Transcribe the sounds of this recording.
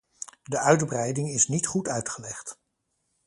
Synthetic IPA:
dəœɥdbrɛjdɪŋɪsnitχutœɥtχəlɛχt

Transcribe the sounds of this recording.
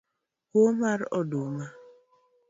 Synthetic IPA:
komaɾɔdoma

